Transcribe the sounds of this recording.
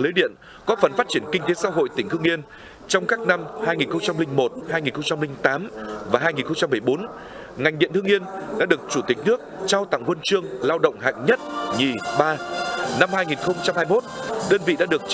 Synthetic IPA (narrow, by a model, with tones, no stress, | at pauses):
ləː˨˦jɗḭ˧˨ən | kɔ˨˦fə˨˩nfaː˦˥t̚t͡ɕi˧˩ənkï˧ŋ̟t̪e˨˦sa̰˧˥ɦo̰˧˨jt̪ï˩ŋ̟t̪ɨ˧əŋʔi˧ən | t͡ɕɔ˧wŋ͡mkaː˦˥k̚na˧mhaː˧jŋi˨˩nxə˧ŋ͡mt͡ɕa˧mlï˧ŋ̟mo˨˩t̚haː˧jŋi˨˩nxə˧wŋ͡mt͡ɕa˧mlï˧ŋ̟t̪aː˨˦mvaː˨˩ɦaː˧jŋi˨˩nxə˧wŋ͡mt͡ɕa˧mːɨ˨˩əjɓo˨˦n | ŋa˨˩jŋ̟ɗḭ˧˨ənt̪ɨ˧əŋi˧ənɗa̰ː˧˥ɗɨ˨˩ək̚t͡ɕu˧˩t̪ï˨˩k̟̚nɨ˦˥ək̚t͡ɕaː˧wt̪a̰ː˧˨ŋːwə˧nt͡ɕɨ˧əŋlaː˧wɗə̰˧˨wŋ͡mɦa̰ː˧˨ŋɲə˦˥t̚ɲi˨˩ɓaː˧na˧mhaː˧jŋi˨˩nxə˧wŋ͡mt͡ɕa˧mhaː˧jmo˦˥t̚ɗəː˧nvḭ˧˨ɗa̰ː˧˥ɗɨ˨˩ək̚